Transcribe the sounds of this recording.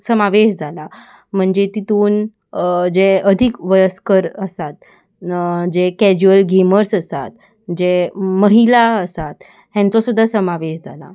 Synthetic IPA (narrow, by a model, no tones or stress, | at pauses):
səmaʋeɕd͡zʱala | m̤əɳd͡zet̪it̪uːn | d͡ʑeəd̪ʱikʋəjəskəɾəsat̪̚ | d͡ʑekɛd͡ʑuəlɡʱiməɾsəsat̪̚ | d͡ʑeməɦilaəsat̪ | ɦãnt͡sɔsud̪ʱːasəmaʋeɕd͡zʱala̰